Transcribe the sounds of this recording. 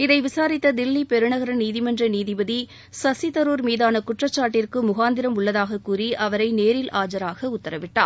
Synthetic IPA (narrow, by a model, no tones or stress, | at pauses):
ɪðɐɪʋɪsaːɾɪt̪ːɐd̪ɪlːipɛɾɯɳɐɣɐɾɐniːðɪmɐndrɐniːðɪbɐði | sɐsɪt̪ɐɾuːɾmiːðaːnɐkʊʈrɐt͡ʃːaːʈːɪrkɯmʊɣaːnd̪ɪɾɐmʊɭːɐðaːɣɐkuːriʔɐʋɐɾɐɪneːɾɪlʔaːd͡ʒɐɾaːɣɐʊt̪ːɐɾɐʋɪʈːa̰ːɾ